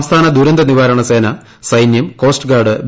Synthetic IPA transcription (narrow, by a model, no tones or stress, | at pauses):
mst̪ʰaːnɐd̪ʱuɾɐnd̪ɐniʋaːɾɐɳɐseːnɐ | sɐjnjɐmko̞ːsʈɨɡaːɖɨb